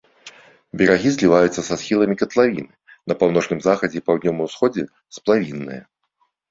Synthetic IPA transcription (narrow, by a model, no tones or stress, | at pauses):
bʲɛɾaɣʲizʲlʲivajut̪sːɐsasxʲilˠɐmʲikɐt̪lˠavʲinɨ | nɐpawnɔt͡ʂnɨmzaxɐd͡zʲɛpawd̪ʲnʲɔmɐwsxɔd͡zʲɛ | splˠavʲinːɨ̰jɐ̰